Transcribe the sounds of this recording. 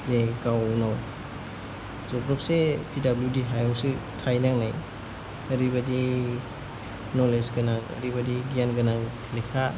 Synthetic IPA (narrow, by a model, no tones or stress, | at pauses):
zekawnaw | zɔpɾɔp̚sepʰidabludiɦajɔwsɯtʰajnaŋnaj | ɐɾibadi | nɔlesɡanaɐ̰ɾibadiɡianɡanaŋkʰilikʰa